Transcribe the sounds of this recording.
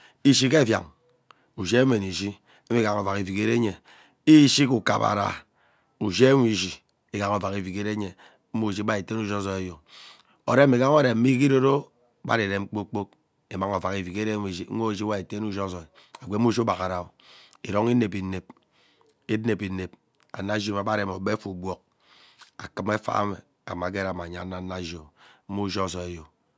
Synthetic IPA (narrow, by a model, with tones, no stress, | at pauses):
i˦ʃi˦ke˦e˦˨fja̰˨ŋ | u˨ʃe˦me˨ni˨ʃi˦ | e˦i˦ɡa˨ŋo˨va˨ki˨vi˨ke˦ɾe˦ɲe˨ | i˦ʃi˦ku˨ka̰˨pa̰˨ɾa̰˨ | u˨ʃe˦ŋʷ˦i˦˨ʃi˨ | e˦ɡa˨ŋo˨va˨ki˨vi˨ke˦ɾe˦ɲe˨ | m̩˦mu˦˨ʃ̬i˦ba˦e˨te˦nu˦d͡ʒo˦sɔ˨e˨jo˨ | o̰˨ɾe˦mi˨ɡa˦ŋo˦ɾe˨m̩˦mi˦k̬i˦ɾo˦ɾo˦ | ba̰˦ɾe˨ɾe˨ŋ͡m̩˦k͡po˦k͡po˦k̚ | e˨ma˦ŋo˨va˨ki˨vi˨ke˦ɾe˦˨i˦o˦˨d͡ʒi˦wa˦e˨te˦nu˦d͡ʒo˦sɔ˨ | a˨ɡʷe˦m˦u˦ʃba˨ka˨ɾa˦o˦˨ | i˨ɾo˦ŋi˦ne˨pi˨ne˨p̚ | e˦e˨pi˨ne˨p̚ | a̰˨na˦d͡ʒi˦ma˨˦ba˦ɾe˨˦˨m˨o˨be˦fu˨bwɔ˦k̚ | a˨kɨ˦me˦fa̰˦me˨ | a̰˨ma˨˦ɡe˦ɾa˨ma˨ɲa˨˦na˦na˦ʒo˨m̩˦mu˦ʒo˦˨sɔ˨e˨˦jo˨